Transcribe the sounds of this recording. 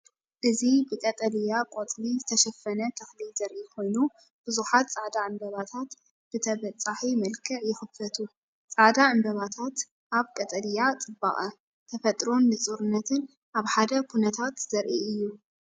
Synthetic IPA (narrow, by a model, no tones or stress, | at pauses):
ʔɨzibɨkʼɐt̪ʼɐlijakʼot̪ʼlizɨt̪ʰɐʃɐfːɐnɐt̪ʰɐxlilz̥ɐɾʔikʰo̞jnu | b̥ɨzuħat̪t͡sʼaʕd̪aʕɨmbɐβat̪ʰat̪ | b̥ɨt̪ʰɐβɐt͡sʼːaħimɐlkʰɨʕjɪxɨfɐt̪ʰu | t͡sʼaʕd̪aʕɨmbɐβat̪ʰat̪ | ʔaβkʼɐt̪ʼɐlijat͡sʼɨba̰χʼɐ | t̪ʰɐfɐt̪ʼɾo̞nːɨt͡sʼuɾɨnːɐt̪ʰɨn | ʔaβħad̪ɐkʰunɐt̪ʰat̪z̥ɐɾʔiɨjːu